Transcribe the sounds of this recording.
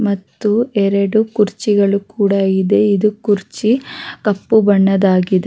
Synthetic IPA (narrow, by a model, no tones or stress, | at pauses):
mɐt̪ːuɛɾɐɽukuɾt͡ʃiɡɐɭukuːɽɐid̪e̞id̪ukuɾt͡ʃikɐpːubɐɳːɐd̪aːɡid̪e